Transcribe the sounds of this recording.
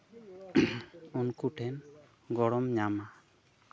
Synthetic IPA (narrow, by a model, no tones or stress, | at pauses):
ɔnkuʈʰɛn | ɡɔɽɔmɲama